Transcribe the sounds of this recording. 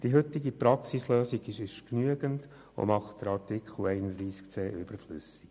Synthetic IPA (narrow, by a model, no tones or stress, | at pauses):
d̥iɦʏt̪ːiɡipɾɑksisløːsiɡɪʃɪʃknyəɡənd | o̰mɑχtd̥əɾɑrtɪkχl̩ɛɪnədɾiːskt͡seːʔʏb̥əɾflʏsik